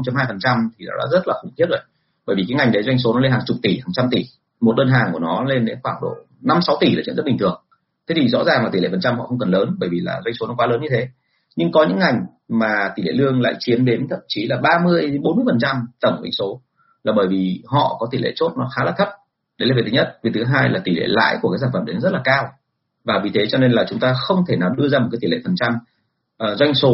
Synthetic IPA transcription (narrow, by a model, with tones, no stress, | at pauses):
ŋ͡mt͡ɕa˧mhaː˧jfə˨˩nt͡ɕa˧mt̪ʰi˨˩ɗa̰˨˦ɗa̰ː˧˥zə˦˥t̚laː˨˩ʊ˧˩ŋ͡mt̪ʰi˦˥ət̚zo˨˩j | ɓəː˧˩jvi˨˩aː˨˦ŋa˨˩jŋɗə˨˦jzwa˧jŋso˨˦nɔ˨˦le˧nhaː˨˩ŋt͡ɕʊ˨˩k͡p̚t̪i˧˩haː˨˩ŋt͡ɕa˧mt̪i˧˩ | mo˨˩t̚ɗəː˧nɦaː˨˩ŋku˧˩ənɔ˨˦le˧nɗḛ˨˦xwaː˧˩ŋɗo̰˧˨ | na˧msa˨˦wt̪i˧˩lːt͡ɕḭ˧˨zə˦˥ɓi˨˩ŋt̪ʰɨ˨˩əŋ | t̪ʰe˨˦t̪ʰi˨˩zɔ̰˧˥zaː˨˩ŋla˨˩t̪i˧˩lḛ˧˩fə˨˩nt͡ɕa˧mhɔ̰˧˨xə˧wŋ͡mkə˨˩nləː˨˦nɓəː˧˩jvi˨˩la̰ː˨˩zwa˧jŋso˨˦nɔ˨˦kwaː˨˦ləː˨˦nɲɨ˧t̪ʰe˨˦ | ɲɨ˧ŋkɔ˨˦ɲɨ̰˧˥ŋːa˨˩jŋ̟ | maː˨˩t̪i˧˩lḛ˧˨lɨ˧əŋla̰ː˧˨jt͡ɕi˨˦ənɗe˨˦nt̪ʰə̰˧˨mt͡ɕi˨˦laː˨˩ɓaː˧mɨ˧əjɓo˨˦nmɨ˧əjfə˨˩nt͡ɕa˧mt̪ə˧˩ŋ͡mwḭ˧˥˦ŋso˨˦ | laː˨˩ɓəː˧˩jvi˨˩hɔ̰˧˨kɔ˨˦t̪i˧˩lḛ˧˨t͡ɕo˦˥t̚nɔ˨˦xaː˨˦laː˧˥t̪ʰə˦˥p̚ | ɗe˨˦laː˨˩vʰɲə˦˥t̚vi˨˩t̪ʰɨ˨˦ɦaː˧jlaː˨˩t̪i˧˩lḛ˧˨la̰ː˧˥˨jku˧˩kaː˨˦saː˧˩fəː˧˩ne˨˦nɔ˨˦zt̚laː˨˩kaː˧w | vaː˨˩vi˨˩t̪ʰe˨˦t͡ɕɔ˧ne˧nlaː˨˩t͡ɕʊ˨˦ŋ͡mt̪aː˧xə˧wŋ͡mt̪ʰe˧˩naː˨˩wɗɨ˧əzaː˧m̚˨˩kaː˨˦t̪ʰi˧˨lḛ˧˨fə˨˩nt͡ɕa˧mː˨˩ | zwa˧jŋ̟so˨˦